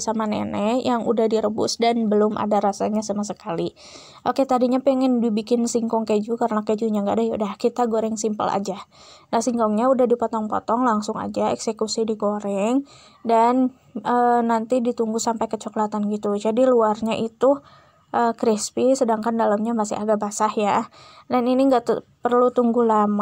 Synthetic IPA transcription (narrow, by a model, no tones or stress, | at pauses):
samanḛnɛjaŋṵdahdiɾəbʊ̰sdanbəlʊmʔa̰daɾasaɲasamasəkali | ʔoket̪adiɲapɛŋɛnbibikɪnsiŋkɔŋked͡ʒukaɾənaked͡ʒuɲaŋɡadajaṵdahkit̪aɡoɾɛŋsimpə̰la̰d͡ʒa | nahsiŋkɔŋɲaudahdipɔt̪ɔŋpɔ̰t̪ɔŋlaŋsʊŋa̰d͡ʒaɛksekusidiɡoɾɛŋ | dan | ənant̪idit̪uŋɡusampajkət͡ʃɔklat̪anɡit̪ud͡ʒadiluarɲaʔit̪u | ʔəkɾispisədaŋkandalamɲamasɪa̰ɡabasahjadaniniŋɡaʔt̪ | pərlut̪uŋɡulama